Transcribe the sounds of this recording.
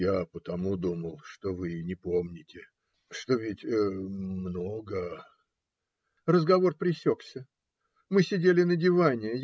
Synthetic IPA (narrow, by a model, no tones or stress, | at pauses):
japət̪ɐmud̪uməlˠʂt̪ovɨnʲɪpo̞mnʲɪtʲɪ | ʂt̪o̞vʲɪtʲəmnoɡə | rəzɡɐvo̞rpɾʲɪsʲo̞ksʲə | mɨsʲɪdʲelʲɪnədʲɪvanʲɪ